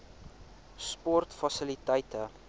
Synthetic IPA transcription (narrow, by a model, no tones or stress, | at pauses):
spɔrtfɐsəlitəjtə